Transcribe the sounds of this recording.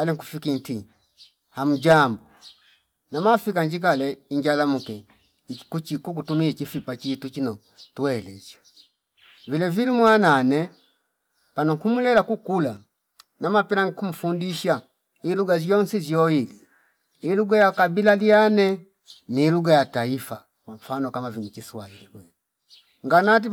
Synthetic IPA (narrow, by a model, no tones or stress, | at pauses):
alɛŋkufikinti | ham̩d͡ʒambu | namafikaɲd͡ʒik̬alɛiɲd͡ʒalamukɛ | kut͡ʃikuk̬utumiit͡ʃifipat͡ʃitut͡ʃinɔ | tuwɛlɛ̰zḁ | vilɛvilimwananɛ | panɔkumulɛlakukula | namapɛɾaŋikum̩fundiʃa | iluɡazjɔnsizjɔili | iluɡajakabilalianɛ | niluɡajataifa | kwaɱfanɔkamaviɲit͡ʃiswailikwɛ | ŋɡanat̬i